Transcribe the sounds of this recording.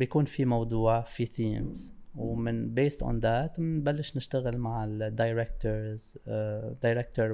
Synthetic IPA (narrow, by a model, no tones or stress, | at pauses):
bjakuːnfimɑwd̪ˤuːʕfiθiːmz̥wmɪnbeːst̪ʔo̰nd̪aːt̪mnbalːɪʃnɪʃt̪aɣɪlmaʕɪld̪ːajɾɛkt̪əɾz | d̪ajɾɛk̚t̪əɾ